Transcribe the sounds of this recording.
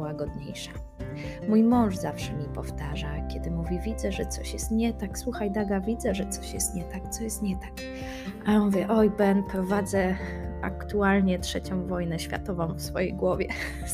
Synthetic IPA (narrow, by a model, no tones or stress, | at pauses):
waɡɔd̪ɲḛjʂa | mujmɔ̃w̃ʐzafʂɛmʲipɔft̪aʐakʲɛd̪ɘmuvʲivʲid̪zɛʐɛt̪sɔɕjɛst̪ɲɛt̪akswuxajd̪aɡavʲid̪zɛʐɛt̪sɔɕjɛst̪ɲɛt̪ak̚t̪sɔjɛst̪ɲɛt̪ak | ʔaɔnuvʲjɛʔɔjbɛnpɾɔvad̪zɛ | a̰kt̪ualɲɛtʂɛt͡ɕɔ̃w̃vɔjnɛɕfʲja̰t̪ɔvɔ̃w̃fsfɔjejɡwɔvʲjɛ̰